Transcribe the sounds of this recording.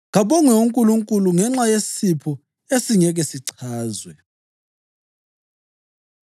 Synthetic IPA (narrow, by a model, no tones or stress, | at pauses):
ɣaɓɔŋɛuŋkʼuluŋkʼuluŋɛŋ͡ǁajessipʰɔ | esiŋɛɣɛsiǀʰaːzwɛ